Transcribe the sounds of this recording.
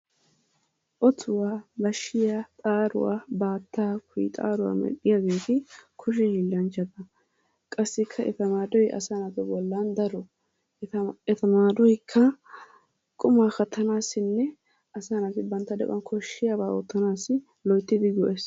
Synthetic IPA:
ʔɔt̪ʰʊwaːbɐʃːɪjat̪ʼaːɾʊ̰wa̰ːbaːt̪ːaːkʊjt̪ʼa̰ːɾʊwa̰ːmɛ̰ɗːɪjaɡe̞ːt̪ɪkʰʊʃ̬ɛhilːɐnt͡ʃːɐd̪ɐ | kʼɐsːɪkʰːɐʔɛ̰t̪ɐmaːd̪ɔjʔɐ̰sanapːɛbɔlːaːnd̪ɐɾɔ | ɛt̪ɐmaːd̪ɔjkʰːɐ | kʼʊmaːxɐt̪ʰːɐnaːsːɪnːɛ | ɐsaːnat̪ɪbɐnt̪ːɐd̪ɛ̰ʔʊ̰ɐnkʰɔʃːɪjabaːot̪ːɐnaːsɪ | lɔjt̪ːɪd̪ɪɡɔʔɛs

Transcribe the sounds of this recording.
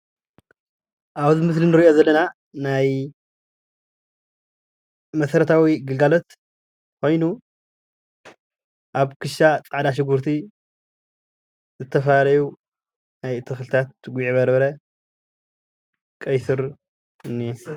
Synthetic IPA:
ʔaβzɨmɨslinɨɾiʔo̞zɐlːɐna | naj | mɐsɐɾɐt̪ʰawiɡɨlɡalo̞t̪ | kʰo̞jnu | ʔaβkʰɨʃat͡sʼaʕd̪aʃ̬ɪɡuɾt̪ʰi | zɨt̪ʰːɐfɐlalɐju | najt̪ʰɨxlɨt̪ʰat̪ɡʷiʕiβɐɾβɐɾɐ | kʼɐjsɨɾ | ɨnːi

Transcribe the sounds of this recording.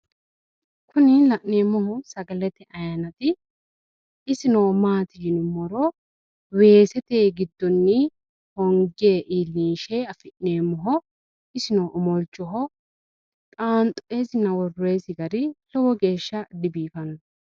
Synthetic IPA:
kʰʊnɪlɐʔne̞ːmːɔhɔsɐɡɐlɛt̪ɛʔɐjɐnɐt̪ɪ | ɪsɪnoːmaːt̪ɪd͡ʒɪnʊmɔɾɔ | we̞ːsɛt̪eːɡɪd̪ːɔnːɪ | hɔŋɡeːʔiːlːiːʃeɐfɪʔneːmːɔɦɔ | ɪsɪnoːʔɔmɔlt͡ʃːɔɦɔ | kʼaːnt̪ʼɔʔeːsɪnɐwɔrːeːsɪɡɐɾɪlɔwɔɡe̞ːʃːɐd̪ɪbiːfɐnɔ

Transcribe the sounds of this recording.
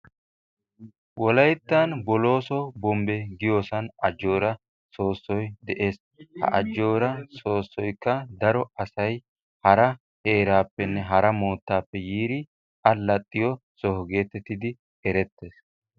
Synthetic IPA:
wɔlɐjt̪ːanbɔlo̞ːsɔbɔmbɛɡɪjo̞ːsɐnɐd͡ʒːo̞ːɾɐ | so̞ːsːɔjd̪ɛʔe̞ːs | hɐ̰ʔɐd͡ʒːo̞ːɾɐso̞ːsːɔjkːɐd̪ɐɾɔɐsɐj | hɐɾɐ | he̞ːɾaːpːɛnːɛɦɐɾɐmo̞ːt̪ːaːpːɛjiːɾɪ | ɐlɐt̪ʼːɪjɔ | sɔɦɔɡe̞ːt̪ɛt̪ːɪd̪ɪ | ɛɾɛt̪ːe̞ːs

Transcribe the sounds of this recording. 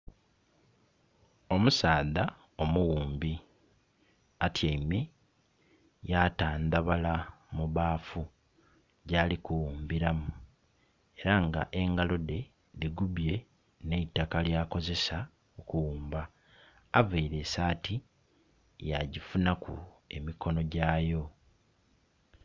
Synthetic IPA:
o̞musaːða | o̞muwuːmbi | atjaime | jataːnd̪aβalamuβaːfu | ɟaːlikuwuːmbiɾamu | e̞ɾaŋɡa̰ʔe̞ŋɡalo̞de̞ | liɡuβje̞ | ne̞itːakaljaːko̞ze̞sa | okuwuːmbaː | vaiɾe̞ːsaːti | jaɟifunakṵe̞̰miko̞no̞ɟaːjo̞

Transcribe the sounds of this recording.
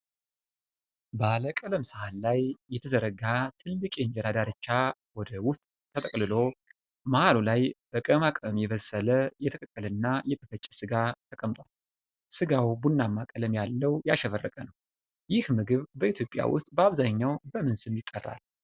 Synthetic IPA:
bəaləkʼələmsɨhalːajːɛt̪ʰəzəɾəɡat̪ʰɨlːɨkʼeɲd͡ʒɛɾad̪aɾɨt͡ʃːawɔd̪əwʊst̪ʼ | t̪ʰːət̪ʼəkʼlɨlo̞ | mahalulajb̥əkʼəmakʼəmjɛβəsːələjɛt̪ʰəkʼəkʼːələnːajɛk̪ʰəfət͡ʃʼːɛsɨɡat̪ʰəkʼəmt̪ʼwal | sɨɡawbunːamːakʼələmjalːəwjaʃɛβərːəkʼənəw | jɪhmɨɡɨβbəit̪ʰjo̞pʼːja̰wʊ̰st̪ʼbəaβzaɲːawbəmɨnsɨmjɪt̪ʼːərːa̰l

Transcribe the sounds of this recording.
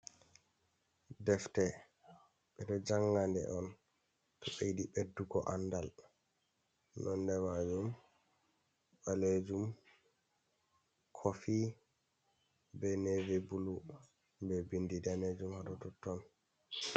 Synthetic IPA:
dɛftɛ | ɓɛdɔd͡ʒaŋːɡandɛ̰ʔɔn | tʰɔɓejdiɓedːuɡɔ̰ʔandal | nʔɔndɛmad͡ʒum | ɓaled͡ʒum | kʰofi | bɛnevɛbulu | bɛbindidaned͡ʒumhadɔtɔtːɔn

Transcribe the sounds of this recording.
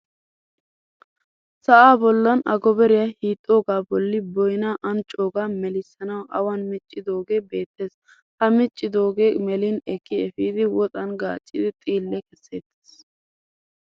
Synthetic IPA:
sɐʔaːbɔlːɐnʔɐɡɔbɛɾɪjɐhiːt̪ʼːo̞ːɡaːbɔlːɪbɔjnaːʔɐnt͡ʃʼo̞ːɡaːmɛlɪsːɐnɐwʔɐwɐnmɪt͡ʃʼːɪd̪o̞ːɡe̞ːbe̞ːt̪ːe̞ːs | hɐmɪt͡ʃʼːɪd̪o̞ːɡe̞ːmɛlɪnɛkːɪɛfiːd̪ɪwɔt̪ʼɐnɡa̰ːt͡ʃʼːɪd̪ɪt̪ʼiːlːɛkɛsːḛːt̪ːe̥ːs

